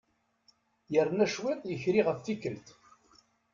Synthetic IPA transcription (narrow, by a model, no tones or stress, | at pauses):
jəɾnæʃwɪðˤjəçɾiʁəfθikːəlt̪